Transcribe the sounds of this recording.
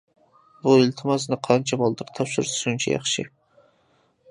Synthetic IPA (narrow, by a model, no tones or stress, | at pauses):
buɪlt̪ʰɪmɑsnɨqʰɑnt͡ʃʰɛbɑlˠd̪ɨqt̪ʰɑpʃɪɾsunt͡ʃʰɛ̰jɑ̰χʃḭ